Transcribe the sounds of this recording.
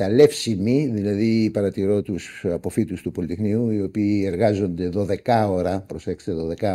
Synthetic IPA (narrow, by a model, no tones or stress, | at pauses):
t̪ɐle̞fsimiðilɐðipɐɾɐt̪iɾo̞t̪usɐpo̞fit̪ust̪upo̞lit̪exniuio̞piːe̞ɾɣɐzo̞nd̪e̞ðo̞ðe̞kɐo̞ɾɐpɾo̞sekst̪eðo̞ðe̞kɐ